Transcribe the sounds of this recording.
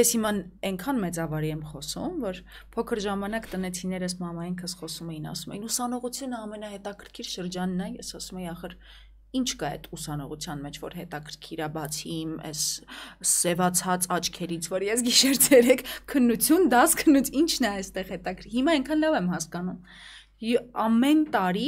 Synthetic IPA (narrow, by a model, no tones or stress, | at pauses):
jɛshimɑnɛŋkʰɑnmɛt͡sɑvɑɾiɛmχɔsumvɔɾ | pʰɔkʰəɾʒɑmɑnɑkt̪ənɛt͡sʰinɛɾəs̬mɑmɑjiŋkʰəsχɔsumɛjinɑ̰sumɛ̰jinusɑnɔʁut͡sʰjunəɑmɛnɑhɛt̪ɑkʰəɾkʰiɾʃəɾd͡ʒɑnːɑjɛsɑsumɛjiɑχəɾ | int͡ʃʰkɑɛ̰t̪ʰusɑnɔʁut͡sʰjɑnmɛt͡ʃʰvɔ̰ɾɦɛt̪ɑkʰəɾkʰiɾɑbɑt͡sʰimɛ̰s | sɛvɑt͡sʰɑt͡sɑt͡ʃʰkʰɛɾit͡sʰvɔɾjɛsɡiʃɛɾd͡zʰɛɾɛkʰkʰːənːut͡sʰjund̪ɑskʰənːut͡sʰint͡ʃʰnɛɛjst̪ɛʁhɛt̪ɑkʰɾhimɑɛŋkʰɑnlɑvɛmɦɑskɑnum | ɑmɛnt̪ɑɾi